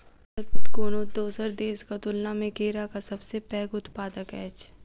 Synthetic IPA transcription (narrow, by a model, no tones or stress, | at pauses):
ət̪t̪koːnod̪oːsəɾɖeːzkɐt̪ʊlnamẽkeːɾakasɐbsepɛːɡʊt̪paːd̪əkɛːt͡ʃ